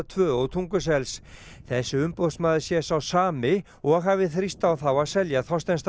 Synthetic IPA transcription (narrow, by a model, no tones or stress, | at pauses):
t̪ʰvœːɔwt̪ʰuŋkʏs̬ɛls | θɛsːʏʏmpɔwsmaːðɪsjɛsawsaːmɪ | ɔɣɦaːvɪθɾist̪awθawaðsɛljaθɔst̪ɛnst̪